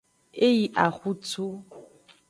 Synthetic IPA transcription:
e˦i˨ʔa˨xu˦t͡sʰu˦

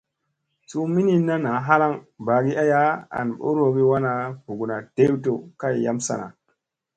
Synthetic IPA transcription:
su˦mi˦ni˦na˦na˨˦ɦa˦ɾa˦˨ŋba˨ɡi˦ʔa˦ja˦a̰˨nɓo̰˦ɾo˨˦ɡi˦wa˦na˨vu˨ɡu˨na˨d̥e˦wto˨ka˦jja˦msa̰˨na̰˨

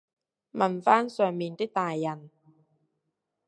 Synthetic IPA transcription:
mɐ˨˩nfaː˥nsœː˨ŋmiː˨nt̪ɪ˥k̚t̪aː˨jːɐ˨˩n

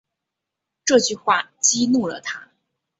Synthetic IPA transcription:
ʈ͡ʂɤ˥˧t͡ɕy˥˧xwa˥˩t͡ɕi˥nu˥˩lə̰˩t̪ʰa˥

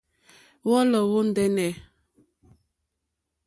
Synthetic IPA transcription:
wɔ˦lɔ˨wo˦n̩˦˨dɛ˦nɛ˨

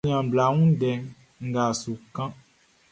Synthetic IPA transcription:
ĩ˦ã˨bla˨ŋũ˦ɖɛ˨ | ŋ̩˦ɡa˨su˨kã˦

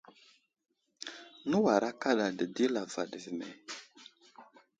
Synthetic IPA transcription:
nə˦wa˨ɾa˦ka˦ɗa˨də˨di˦la˨va̰˨də˨vi˨mḛ˨

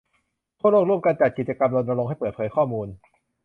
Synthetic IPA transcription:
t̪ʰu˥˩əloː˥˩kɾu˥˩əmka˧nt͡ɕa˨˩ki˨˩t̪̚t͡ɕa˧ka˧mlo˧ndɾa˧ɾo˧ŋa˥˩jpəɤː˨˩t̪̚pʰɤː˩˦jkʰɔː˥˩muː˧n

